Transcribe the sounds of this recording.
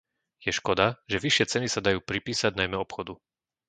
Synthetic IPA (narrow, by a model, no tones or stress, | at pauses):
jɛʃkɔd̪aʒɛʋiʃɪɛt͡sɛnisad̪ajuːpɾipiːsaɟnajmɛɔpxɔd̪u